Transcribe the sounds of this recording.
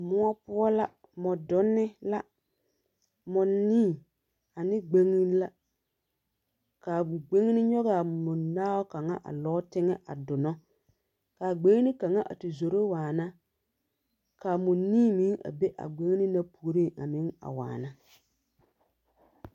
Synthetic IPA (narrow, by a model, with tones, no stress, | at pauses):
mʊ˦a˦pʊ˦ɔ˦la˦ | mɔ˨dʊ˦nːɪ˦la˦ | mɔ˨niː˦˨ | a˨nɪ˦ɡ͡be˦ŋi˦n˦la˦ | ka˨ɡ͡be˦ŋ˦nɪ˦ɲɔ˦ɣa˨mʊ˨naː˦wɔ˦ka˨ŋa˦ʔa̰˨lɔ˦tɪ˦ŋɛ˦ʔa̰˨dʊ˨nɔ˦ | kaː˨ɡ͡be˦ŋ˦nɪ˦ka˨ŋa˦ʔa̰˨tɪ˨zo˨ɾo˦waː˨na˦ | ka˨mʊ˨niː˦mi˦a̰˨be˦ʔa̰˨ɡ͡be˦ŋ˦nɪ˦na˦pu˨˦ɾi˦a̰˨mɪ˦ŋa̰˨wa̰ː˨na˦